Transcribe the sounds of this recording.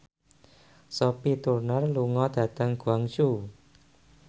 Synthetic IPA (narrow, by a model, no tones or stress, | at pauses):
sɔpit̪urnarluŋɔd̪̥ä̤d̪̥a̤ŋɡ̥ṳaŋt͡ʃu